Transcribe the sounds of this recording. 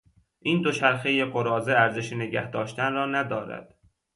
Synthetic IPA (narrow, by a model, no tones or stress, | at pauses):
ʔiːnd̪o̞ʃʰæɾxejeɡoɾɒːzeæɾzeʃeneɟæhd̪ɒːʃt̪ænrɒːnæd̪ɒːɾæ̰d̪̥